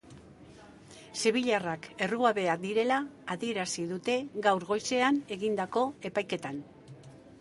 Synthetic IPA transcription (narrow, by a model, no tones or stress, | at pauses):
seβ̞iʎarake̞ruaβe̞ad̪iɾe̞laːðie̞ɾasiðut̪e̞ɣawɾɣo̞jse̞ane̞ɣind̪ako̞e̞pajke̞t̪an